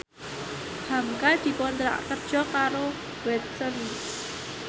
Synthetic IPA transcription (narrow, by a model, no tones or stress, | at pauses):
hamkald̪̥i̤pɔnt̪ɾa̰ʔkərd̥ʒ̥ɔ̤kaɾo | wɛt̪̚sən